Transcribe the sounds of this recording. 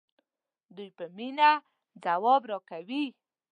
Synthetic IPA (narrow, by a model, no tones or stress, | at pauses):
d̪ujpəmina | d͡zawɔbɾɑkawi